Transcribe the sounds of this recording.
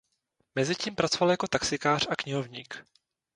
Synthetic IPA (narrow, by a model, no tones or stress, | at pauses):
mɛzɪciːmpɾat͡sovaljakot̪aksɪkaːr̥akɲɪɦo̞vɲiːk